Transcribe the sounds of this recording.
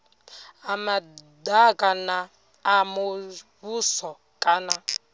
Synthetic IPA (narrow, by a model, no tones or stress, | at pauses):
amadakʼanaː | muβusɔ | kʼana